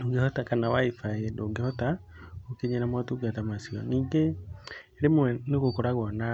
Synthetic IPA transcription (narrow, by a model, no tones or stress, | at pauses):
oŋɡehɔtakanawaifajendoːŋɡehɔta | okeɲenamwatuɡatamasiɔ̰niːŋɡeː | ɾemwɛneɣokoɾaɣwɔna